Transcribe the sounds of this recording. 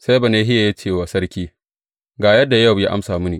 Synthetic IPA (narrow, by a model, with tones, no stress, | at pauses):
sa˦jba˨neː˦ɦɪ˦ja˨ja˦t͡ʃeː˦˨waː˨sɐ˦ɾkʲiː˦ | ɡaː˨jɐ˦dːa˨ja˦˨wja̰˦ʔa̰˦msaː˨mʊ˦niː˨